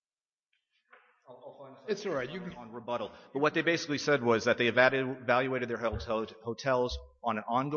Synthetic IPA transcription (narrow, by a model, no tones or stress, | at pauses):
ɨtsɔɹaɪtjɨ̃nɹəbʌɾl̩ˠb̥ʌt̚wʌt̪̚ðeɪbeɪsɪklisɛd̚wʌzðɨt̪̚ðeɪɨvvælˠjʉeɪɾɨd̪̚ðə˞ɦlˠhoʊtʰɛlˠz | ə̃nɨ̃nɑ̃nɡo